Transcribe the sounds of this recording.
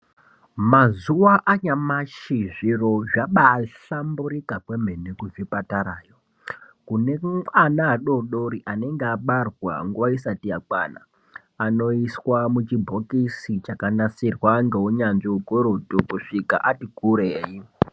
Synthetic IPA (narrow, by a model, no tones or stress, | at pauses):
mazuwaʔaɲamaʃiʐiro̞ʐaɓaɬambuɾikakwem̤e̞nekuvipataɾaːjo̞ | kune̞anaːɗoɗoɾiʔane̞ŋɡeaɓarwa̰ŋɡuʋaisatijakwa̰na̰ː | no̞iswamut͡ʃibʱo̞kisit͡ʃakanasirwaŋɡe̞ɦuɲanʐiukoɾotukuʂika̰ʔatiɡʱuɾeːji